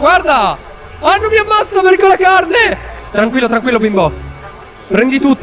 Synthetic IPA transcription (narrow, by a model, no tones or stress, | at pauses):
ɡward̪a | anːomiamːat̪sːapɛɾkolakarnet̪ɾaŋkwilːot̪ɾaŋkwilːobimbɔ | pɾɛnd̪it̪ut̪ː